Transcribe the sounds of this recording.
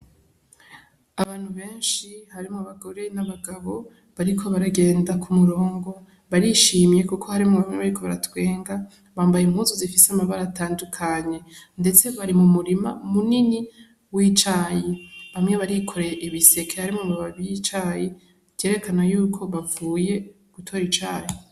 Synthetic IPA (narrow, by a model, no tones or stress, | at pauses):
aβaːn̥huβe̞ːnʃihaɾimŋoβaɡo̞ɾe̞naβaɡaβo̞ | βaɾikʰo̞βaɾaɡe̞ːndakʰumuɾo̞ːŋɡo̞ | βaɾiʃiːmje̞kukʰo̞haɾimŋoβamŋeβaɾikʰo̞βa̰ɾa̰twe̞ːŋɡa | βaːmbajemhuːzuzifiseamaβaɾataːndukʰaɲe̞nde̞t͡se̞βaɾimumuɾimamunini | wiːt͡ʃajeβamŋe̞βaɾikʰo̞ɾeʔiβise̞kʰe̞haɾimŋoβaβaβjit͡ʃaje | je̞ːɾe̞kʰanajuːkʰo̞βavuːje̞ | ɡ̥utʰo̞ːɾit͡ʃaːje